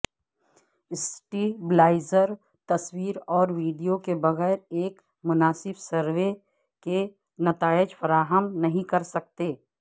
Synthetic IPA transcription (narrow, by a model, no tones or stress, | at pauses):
ɪsʈiblaːɪzəɾ | t̪ɐswiːɾɔːɾʋiːɖijokebɐɣɛːɾeːk | mʊnaːsɪbsɐɾwe | ke | nɐt̪aːɪd͡ʒfɐɾaːɦəmnɐɦĩkɐɾsɐk̚t̪eː